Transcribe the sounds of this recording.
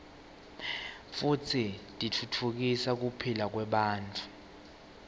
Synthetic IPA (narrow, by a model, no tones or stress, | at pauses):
fut͡sʰitʼit͡fʰutʰuk̬isak̬upʰilak̬wɛɓaːntʰʼu̥